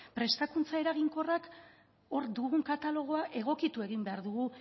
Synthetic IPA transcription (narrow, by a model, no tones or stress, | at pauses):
pɾe̞st̪akunt͡sae̞ɾaɣiŋko̞rak | o̞ɾd̪uɣuŋkat̪alo̞ɣ̞o̞aʔe̞ɣ̞o̞kit̪ue̞ɣ̞imbe̞aɾðuɣ̞u